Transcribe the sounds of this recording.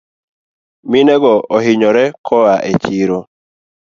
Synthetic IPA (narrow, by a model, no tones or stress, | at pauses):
minɛɡɔɔɦɪɲɔɾɛkʰɔaʔet͡ʃiɾo